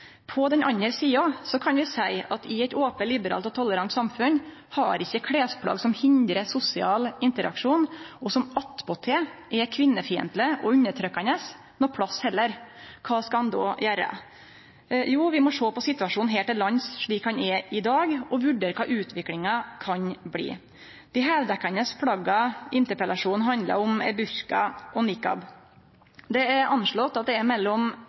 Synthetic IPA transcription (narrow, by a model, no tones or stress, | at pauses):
pʰɔd̪ɛnɑ̰ɲːəɾsiːɑsɔkʰɑnʋɪsæɪɑt̪ʰɪɛt̪oːpəlɪbəɾɑ̰ːlt̪ɔt̪ʰɔlːəɾɑnt̪sɑmfʉn | hɑ̰ɾɪçːəkʰɽeːspʰlɑ̰ːɡsɔmhɪnd̪ɾəsʊsɪɑːlɪnt̪əɾɑ̰kʂuːnɔsɔmɑt̪pɔt̪ʰeʔɛkʰʋɪnːəfiːə̰nt̪ləʔɔʉɲːəʈʰɾœkːɑnəs | nɔpʰɽɑshɛlːəɾkʰɑːskɑɑnd̪o̰ːjæːɾə̰ | juːʋɪmɔʂoːpɔsɪt̪ːʉʋɑʂuːnɦɛːlt̪ɛlɑnsʂɭiːkhɑnɛɾɪd̪ɑːɡɔʋʉɖeːɾkʰɑːʔʉːt̪ʰʋɪklɪŋɑkʰɑɲblḭː | d̪̥ɪɦɛʋd̪ɛkːɑnəspʰɽɑɡɑʔɪnt̪əɾpəlɑʂuːnɦɑnd̪lɑ̰ɾɔmɛ̰bʉɾkɑ̰ʔɔnɪkːɑ̰b | d̪ɛɛɾʔɑnʂɭɔt̪ːɑt̪̚d̪ɛɛɾmɛlːɔm